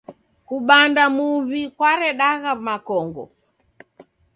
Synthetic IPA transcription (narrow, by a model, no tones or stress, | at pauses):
kuɓandamuβikwaɾɛɗaɣamakɔŋɡɔ̰